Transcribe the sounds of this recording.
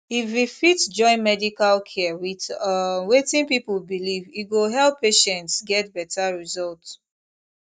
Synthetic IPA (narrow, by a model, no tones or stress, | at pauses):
ififitd͡ʒɔ̃ɪ̃nmɛdikalkʰɛwitwetĩnpipulbiliviɡoɦɛlpʰːeʃɛ̃ntsɡɛt̚bɛtʰaɹizɔlt